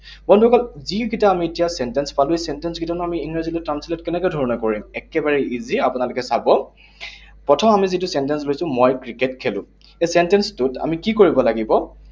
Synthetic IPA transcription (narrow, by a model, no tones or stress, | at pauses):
bɔndʱukalziɡitaːmietijasɛntɛnspaluesɛntɛnsɡitanʊamiiŋɹazilɔtɹansilɔtkɛnɛkɔjdʱɔɹɔnɔkoɹimɛkɛbaɹɛiziapʊnalʊkɛsabɔ | pɹɔtʰɔmamizitʊsɛntɛnslojsʊ̃mɔjkɹiketkʰelʊ̰̃ | esɛntɛnstʊta̰mikikoɹibɔlaɡibɔ